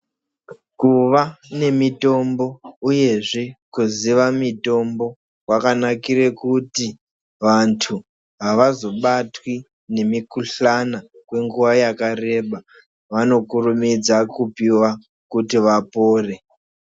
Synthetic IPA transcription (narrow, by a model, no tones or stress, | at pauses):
kuʋane̞mito̞mbo̞uje̞ʐe̞kuziʋamito̞mbo̞ | wakanakirekuti | ʋantʰu | ɦaʋazo̞ɓatwi | ne̞mikuɬana | kwe̞ŋɡuʋajakare̞ɓa | ʋano̞kurumid͡zakupiwa | kutiʋapoːre̞